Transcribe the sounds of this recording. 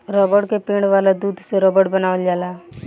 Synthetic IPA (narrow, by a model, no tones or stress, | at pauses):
ɾɔːbəɽkepẽːɳʋaːlad̪uːd̪ʱseɾɔbəɽbənaːʋəld͡ʒaːlaː